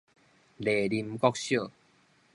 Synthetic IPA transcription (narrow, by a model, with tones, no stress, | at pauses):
le˨li˧mkɔ˦k̚ɕjo˥˨